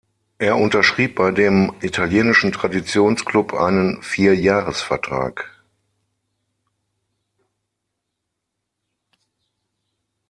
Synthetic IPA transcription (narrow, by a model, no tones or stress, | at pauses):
ʔeːɐʔʊntɐʃʁ̥iːp̚b̥aɪdeːmʔitʰaljeːnɪʃn̩tʁ̥adit͡sjoːnsklʊpʰʔa̰ɪnənfiːɐjaːʁəsfɛɐtʁ̥a̰ːk